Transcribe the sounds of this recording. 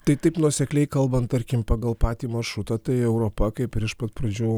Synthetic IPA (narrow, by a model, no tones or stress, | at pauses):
t̪ɐɪt̪ɐɪpnuɔsʲɛklʲɛɪkɐlˠbɐnt̪t̪ɐɾʲkʲɪmpɑːɡɐlˠpɑːt̪ʲiːmɐʃɾʊt̪ɑt̪ɐɪɛʊɾoːpɐkɐɪpɪɾɪʃpɐt̪pɾɐd͡ʒʲuː